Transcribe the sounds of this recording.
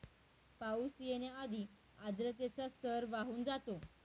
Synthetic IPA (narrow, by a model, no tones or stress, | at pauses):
pausijenead̪i | ad͡z̪ɾət̪̬et͡sast̪ʰəɾʋaɦuːnd͡zat̪o